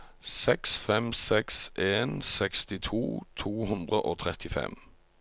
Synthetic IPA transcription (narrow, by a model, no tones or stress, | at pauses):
sɛksfɛmsɛksʔeːnsɛkst̪ɪt̪ʰṵːt̪ʰuːhʉnd̪ʁəʔoːt̪ʰʁɛt̪ɪfɛ̰m